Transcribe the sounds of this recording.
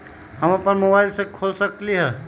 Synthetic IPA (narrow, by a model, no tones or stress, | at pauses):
həməpənmobaɪlsekʰolsəkliɦɛ